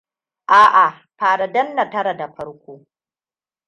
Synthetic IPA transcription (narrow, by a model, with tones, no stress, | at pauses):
ʔaː˦ʔa˨ | ɸaː˨ɽa˨dɐ˦nːa˨tɐ˦ɾa˨da˨ɸɐ˦ɽkʷoː˦